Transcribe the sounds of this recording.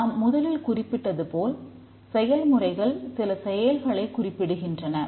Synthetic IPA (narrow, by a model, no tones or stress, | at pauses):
ɐmːʊðɐlɪlkʊrɪpːɪʈːɐðɯpoːl | sɛjɐlmɯrɐɪɣɐɭsɪlɐsɛjɐlɣɐɭɐɪkʊrɪpːɪɽɯɣɪndrɐnɐ